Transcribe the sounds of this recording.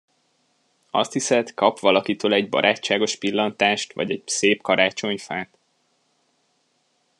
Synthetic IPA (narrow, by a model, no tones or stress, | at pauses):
ɒ̰st̪hisɛt̪kɒpʋɒlɒkit̪øːlɛɟbɒ̰ɾʔaːt͡ʃːaːɡo̞ʃpilːɒnt̪aːʃt̪ʋɒ̰ɟɛɟseːpkɒɾaːt͡ʃo̞ɲfaːt̪